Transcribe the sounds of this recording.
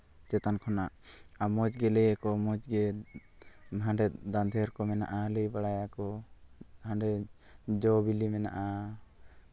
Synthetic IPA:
t͡ʃɛt̪ankʰɔnaʔamɔd͡ʒɡɛlɛjakɔmɔd͡ʒɡɛ | ɦãɳɖɛd̪and̪ʱɛɾkɔmɛna̰ʔaləjbaɽajakɔ | hãɖɛ | d͡ʒɔbilimɛna̰ʔa

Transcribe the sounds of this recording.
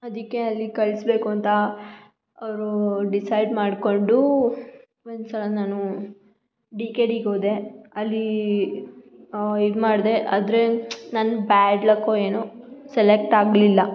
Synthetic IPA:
ɐd̪ikːe̞ɐlːikɐɭsbe̞ːkuɐnt̪ɐ | ɐʋɾuɖisɐjɖmaːɖko̞ɳɖu | ond̪usɐlɐnaːnu | ɖikeːɖiɡoːd̪e̞ɐlːi | id̪umaːɽd̪e̞ʔaːd̪ɾenaːnubaːɖlɐkːoeːnoselek̚ʈaːɡlilːɐ

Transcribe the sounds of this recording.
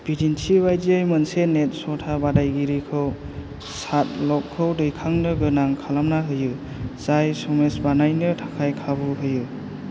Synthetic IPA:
bidinsibajdiɯjmɯnsenet̚sɔtʰabadajɡiɾikʰɯw | sat̚lɔkʰːɯwdɯjkʰaŋnɯɡɯnaŋkʰalamnaɦɯjɯ | zajsɔmesbanajnɯtʰḁkʰajkʰabɯɦɯjɯ

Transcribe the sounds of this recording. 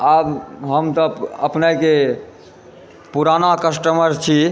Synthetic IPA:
abɦəmt̪əəpnake | puɾanakəsʈəməɾt͡ʃʰi

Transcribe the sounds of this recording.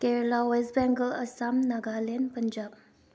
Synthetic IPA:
keɾlawesbɛŋɡəlɐsamnɐɡalenpɐnd͡ʒab̚

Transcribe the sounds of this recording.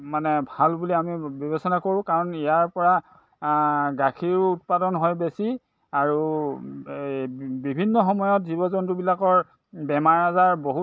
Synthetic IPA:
manɛbʱalbuliamibɔβesɔnakoɹʊ̃kaɹɔnijaɹpɔɹa | ɡakʰiɹːt̚padɔnɦɔjbesi | aɹu | bibʱinːɔxɔmɔjɔtzibɔzɔntubilakɔɹ | bɛmaɹazaɹboɦu

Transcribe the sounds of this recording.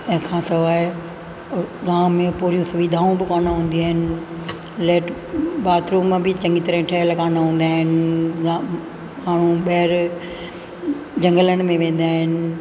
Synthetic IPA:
kʰãːsɐʋaːɦe | ɡãːmẽpoːɾijũsʊʋid̪ʱaːũbɪkaːnaɦũːn̆d̪iaːɦɪnɪ̆ | lɛːʈ | baːt̪ɾõmẽbʱɪt͡ɕɐ̃ŋɡit̪ɐɾəɪ̃ʈʰɐɦəlkaːnaɦũːn̆d̪aːɦɪnɪa | maːɳ̤ũɓɐːɾ | d͡ʑɐ̃ŋɡələnɪ̆mẽʋẽːn̆d̪aːɦɪnɪ̆

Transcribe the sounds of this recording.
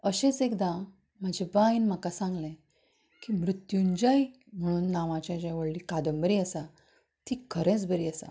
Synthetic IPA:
əɕẽt͡sekd̪ã | m̤ad͡ʑʱebãinm̤akasãŋɡlẽ | kimɾut̪juɲd͡ʑaj | m̤əɽ̃uːnːaʋãt͡ɕãd͡ʑãʋəɽliːkad̪əmbəɾiːəsa | t̪ikʰəɾɛ̃t͡sbəɾiːəsa̰

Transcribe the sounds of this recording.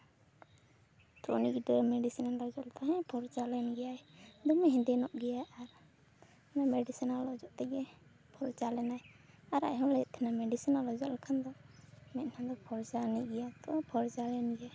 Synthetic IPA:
t̪ɾɔ̰nikd̪ɔmɛɖisinalɔd͡ʒɔlt̪aɦɛ̃pʰɔɾt͡ʃalɛnɡɛjaɛd̪ɔmɛɦɛ̃nd̪ɛnɔʔɡɛjaʔaɾ | namɛɖisinalɔd͡ʒɔʔt̪ɛɡɛ | pʰɔɾt͡ʃalɛnaj | aɾa̰ʔɦɔ̃lɛɛʔt̪ʰɛnamɛɖisinalɔd͡ʒɔʔlkʰand̪ɔmɛt̪̚nad̪ɔpʰɔɾd͡ʒaniɡɛjat̪ɔapʰɔɾd͡ʒalɛnɡɛja

